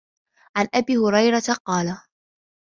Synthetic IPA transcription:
ʕanʔabiːhʊɾɑjɾat̪aqɑːla

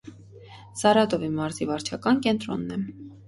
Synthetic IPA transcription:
sɑɾɑt̪ɔvimɑɾzivɑɾt͡ʃʰɑkɑnkɛnt̪ɾɔ̰nːɛ

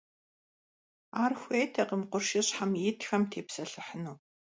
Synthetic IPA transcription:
aːrxʷeːtʰɐqəmqʷʊrʃɪɕħamjɪtxɐmtʰeːpsɐɬɨħənuː

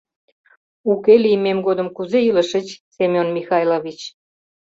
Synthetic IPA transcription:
ukelimemɡod̪əmkuzeiləʃə̆t͡ɕsemʲjonmixɑjlovit͡ɕ

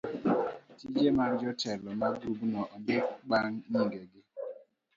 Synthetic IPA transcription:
tid͡ʒemand͡ʒɔtɛlɔmaɡubnwɔʔɔmɪɓaŋɲiŋɡɛɡɪ

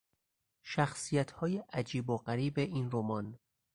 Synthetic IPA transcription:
ʃæxsijæt̪ʰhɒːjeʔæd͡ʒiːboɢæɾiːbe̞ʔinromɒːn

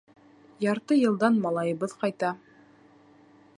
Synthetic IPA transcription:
jɑɾt̪ɤjɤ̆lˠd̪ɑnmɑlˠɑjɤ̆βɤðqɑjt̪ɑ

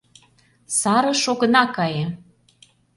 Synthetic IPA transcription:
sɑɾɤ̆ʃoɣɤ̆nɑkɑje

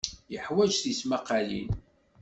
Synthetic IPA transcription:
jəħwæd͡ʒθismaqːalḭn

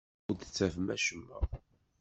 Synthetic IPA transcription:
d̪t͡sːævmæʃəmːæ̰

